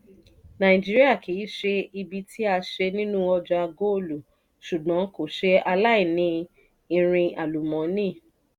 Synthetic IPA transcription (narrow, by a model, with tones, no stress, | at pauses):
nã˨ĩ˨d͡ʒi˦ɾi˦a˦˨kʰi˨˦ʃe˧i˧bi˧tʰi˦a˧ʃe˧nĩ˦nũ˦ɔ˧d͡ʒɔ˧a˧ɡo˦˨lu˨ | ʃu˨ɡɔ̃˨˦ko˦˨ʃe˧a˧la˦i˦˨nĩ˧ | ĩ˧ɾ̃ĩ˧a˨lu˨mɔ̃˨˦nĩ˦˨